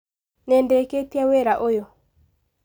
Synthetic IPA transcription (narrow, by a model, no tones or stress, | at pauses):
nɛndɛkepjaweɾaʔojɔ